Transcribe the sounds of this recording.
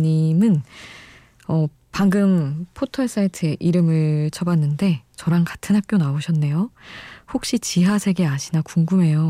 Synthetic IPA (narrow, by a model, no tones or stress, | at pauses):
ɲimɯn | ʌ | paŋɡɯmpʰotʰʌɭs͈aitʰɯeʔiɾɯmɯɭt͡ɕʰʌbanːɯnde̞t͡ɕʌɾankḁtʰɯnɦak͈jonaoɕʰʌnːe̞johok̚ɕ͈it͡ɕiɦasʰe̞ɡeaɕʰinakuŋɡume̞jo